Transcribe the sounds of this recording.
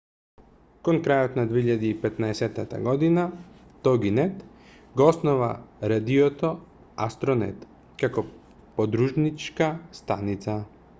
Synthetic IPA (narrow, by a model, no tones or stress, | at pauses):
konkɾajot̪nad̪ʋiiʎad̪iipet̪naeset̪at̪a̰ɡod̪ina | t̪oɡinet̪ | ɡosnoʋa̰ɾad̪iot̪o | ast̪ɾonḛt̪ | kako | pod̪ɾuʒnit͡ʃkast̪a̰nit̪sa